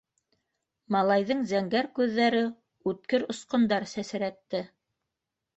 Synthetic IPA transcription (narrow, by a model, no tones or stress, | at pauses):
mɑlˠɑjðɤɴzæŋɡæɾkʉðːæɾɘ | ʉt̪̚kɘɾŏsqŏnd̪ɑɾsæsɘ̆ɾæt̪ːɘ